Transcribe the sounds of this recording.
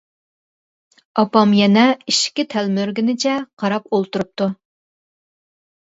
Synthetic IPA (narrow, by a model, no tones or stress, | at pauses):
ɑpɑmjɛnɛiʃkʲit̪ʰɛlmøɾɡʲinɪt͡ʃʰɛqʰɑɾɑpolˠt̪uɾup̚t̪u